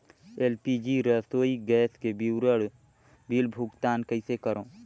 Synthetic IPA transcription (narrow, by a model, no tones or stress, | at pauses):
eːlpid͡ʒiɾəsoːiɡɛːskebiwɾəɽ | bilbʱʊɡt̪aːnkəɪsekəɾõː